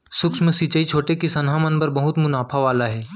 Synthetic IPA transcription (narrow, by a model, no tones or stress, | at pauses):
sʊkʃmə̃sit͡ʃəit͡ʃʰoːʈekisɐnɦamənbɐɾbɐɦʊt̪mʊnaːpʰaʋaːlaɦɛː